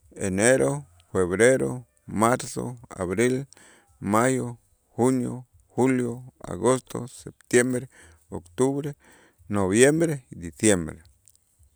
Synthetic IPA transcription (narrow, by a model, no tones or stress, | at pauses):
eneɾo | feβɾeɾo | maɾso̰a̰βɾil | majo | hunjo̰ | huljoa̰ɣost̪o̰sep̚t̪jembɾe | okt̪uβɾe | noβjembɾeid̪isjembɾḛ